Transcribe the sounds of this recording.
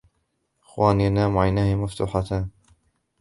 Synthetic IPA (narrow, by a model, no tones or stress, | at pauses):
ʔɪxwaːnijanaːmʊʕajnaːhɪmaft̪ṵːħat̪aːn